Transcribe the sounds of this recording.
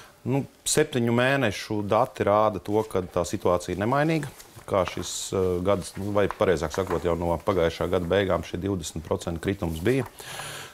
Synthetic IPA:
nu | sɛp̚t̪iɲumeːnɛʃud̪at̪ːiɾaːd̪ɐt̪uɔkad̪̚t̪aːsit̪uaːt̪sijnɛmajniːɡkaːʃisɡad̪snuvajpaɾɛjzaːksakuɔt̪jawnuɔpaɡajʃaːɡad̪bɛjɡaːmʃid̪iwd̪ɛsmt̪̚pɾɔt̪sɛnt̪kɾit̪umsbijə

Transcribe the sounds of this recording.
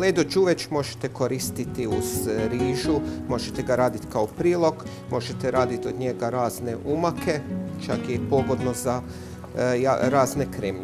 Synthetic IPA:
led̪od͡ʒuʋet͡ʃmo̞ʒe̥t̪e̞ko̞ɾist̪it̪iuzɾiːʒumo̞ʒet̪eɡaɾaːd̪it̪kaopɾiːlˠo̞ɡ | mo̞ʒet̪eɾaːd̪it̪o̞d̪ɲe̞ɡaɾaːzne̞ʔumakʰe̞t͡ʃakipo̞ɡo̞d̪no̞za | jaɾaːzne̞kɾeme

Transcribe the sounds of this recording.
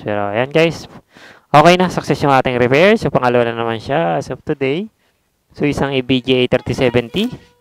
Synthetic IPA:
ɛɾo̰janɡajs | ʔoːkɛjnasɐk̚sɛsjoŋaːt̪ɪŋɾɛpɛɹsɐpɐŋalɐwanɐnːɐmanʃasɐp̚t̪ud̪ɛj | soisaŋibid͡ʒiejt̪ɛɾt̪isɛbɛnt̪i

